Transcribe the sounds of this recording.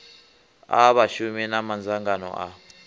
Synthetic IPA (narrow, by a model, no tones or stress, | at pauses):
aβaʃuminamand͡zʱaŋɡanɔ̰ʔa̰